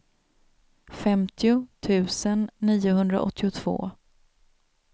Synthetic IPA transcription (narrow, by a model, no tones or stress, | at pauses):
fɛmt̪ʰɪʊt̪ʰʉ̟ːsənːiːʊɦɵnd̪ɾa̰ʔɔ̰t̪ʰːɪʊt̪ʰv̥o̰ː